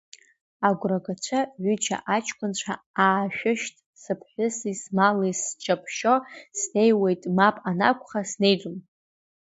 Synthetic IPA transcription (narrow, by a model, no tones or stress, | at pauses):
aɡʷraɡat͡ʃʷʰaʕʷʏt͡ʃʰa̰ʔat͡ʃʰʼkʷʰʼʊnt͡ɕʷʰa | aːʃᶣʊʃtʼ | sɨpʰħʷᶣʊsismalist͡ʃʰʼapʰʃo̞sne̞jwe̞jtʼmapʼana̰kʷʰʼχasne̞jd͡ʒʼʊm